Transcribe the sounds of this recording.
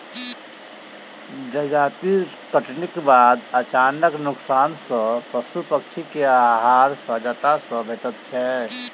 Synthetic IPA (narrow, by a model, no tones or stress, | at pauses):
d͡ʒəd͡ʒaːt̪i | kəʈnɪkbaːd̪ət͡ʃaːnəknʊksaːnsə̃pɾəsupəkʃʰikeaɦaːɾsəd͡ʒət̪asə̃bʱet̪ət̪̚t͡ʃʰɛ